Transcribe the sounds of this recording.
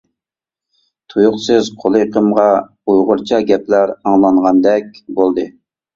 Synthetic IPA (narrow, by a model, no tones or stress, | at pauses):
t̪ʰujʊqsɨz̥qʰolˠɨqʰəmʁɑ | ujʁʊɾt͡ʃʰɑɡʲɛplæɾɑŋlˠɑɴʁɑnd̪ɛk̚ʲbolˠd̪ɨ